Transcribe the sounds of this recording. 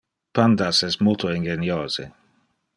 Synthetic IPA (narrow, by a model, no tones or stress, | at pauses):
pand̪asɛsmut̪oeŋɡenjoːz̥ḛ